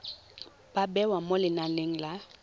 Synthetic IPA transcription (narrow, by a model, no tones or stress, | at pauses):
babɛwamolɪnaleŋ̩la